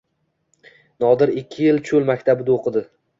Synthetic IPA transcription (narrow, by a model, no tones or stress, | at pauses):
nɒd̪ɪɾɪkʲʰːɪjɪlt͡ʃʰʊlˠmakʲt̪ʰabɪd̪aoqʰɨd̪ɪ